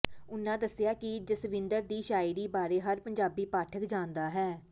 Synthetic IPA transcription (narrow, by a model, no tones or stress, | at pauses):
ʊnːãːd̪əsɪjaːkɪd͡ʒɪsʋɪ̃nd̪əɾd̪iːʃaːɪɾiːbaːɾeːɦəɾpəɲd͡ʒaːbiːpaːʈʰəkd͡ʒãːnd̪aːɦɛː